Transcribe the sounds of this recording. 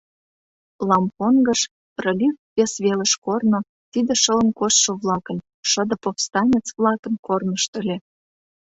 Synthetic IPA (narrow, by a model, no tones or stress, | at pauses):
lɑmponɡə̆ʃ | prə̆lʲykpesβelə̆ʃkorno | t̪id̪ĕʃələ̆nkosʃoβlɑkə̆n | ʃəd̪ə̆pofst̪ɑnʲet͡svlɑkə̆nkornəʃt̪ə̆lʲe